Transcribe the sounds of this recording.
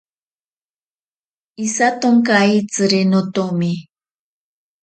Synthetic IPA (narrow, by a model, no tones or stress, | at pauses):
isat̪oŋkait͡sɨɾenɔtomi